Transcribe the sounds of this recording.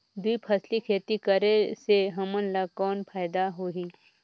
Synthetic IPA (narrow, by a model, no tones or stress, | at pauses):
d̪uipʰɐslikʰeːt̪ikəɾeseɦɐmənlakɔːnpʰaːɪd̪aɦoːɦiː